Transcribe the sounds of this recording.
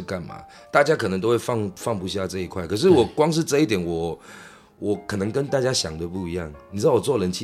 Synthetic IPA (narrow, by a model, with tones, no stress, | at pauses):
ka˥˨˩nma̰˩ | t̪a˥˩t͡ɕja˥kʰə˨˩nɤ˧˦t̪̬o˥ʊwe˥˩ɪfɑ˥˨ŋfɑ˥˩ŋpu˧˥ɕja˥˧ʈ͡ʂɤ˥˧i˧kʰwa˥˩ɪkʰɤ˨˩ʂ̬ɻ̩˥˩wɔ˨˩kwɑ˥ŋʂ̬ɻ̩˥˧ʈ͡ʂɤ˥˧i˥˩t̪̬jɛ˨˩˦nwɔ˨˩ | wɔ˨˩kʰɤ˨˩nɤ˧˦ŋkə˦˥nt̪a˥˧˩t͡ɕja˥ɕjɑ˨˩ŋd̪ə˦p̬u˥˩i˧˥jɑ̰˥˩ŋni˨t͡ɕ̩̪ʰ˥ɑ˥˩wɔ˨˩t͡swɔ˥˩lə˧˦nt͡ɕʰi˥˧